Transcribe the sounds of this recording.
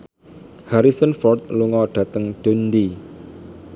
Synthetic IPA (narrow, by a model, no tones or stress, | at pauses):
haɾisənfɔrt̪̚luŋɔɖ̥ä̤t̪əŋɖ̥ṳndi